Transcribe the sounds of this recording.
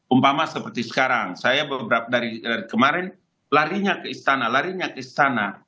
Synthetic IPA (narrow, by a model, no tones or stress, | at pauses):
umpamasəpərt̪isə̥kaɾaŋsajabəbəɾap̚adaɾidaɾikəmaɾɛn | laɾiɲakəist̪analaɾiɲakəist̪ana